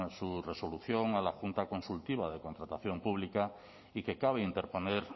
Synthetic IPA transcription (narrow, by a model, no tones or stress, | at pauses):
sure̞so̞luθjo̞ŋalaxunt̪ako̞nsult̪iβ̞aðe̞kont̪ɾat̪aθjo̞mpuβ̞lika | ike̞kaβ̞e̞int̪e̞ɾpo̞neɾ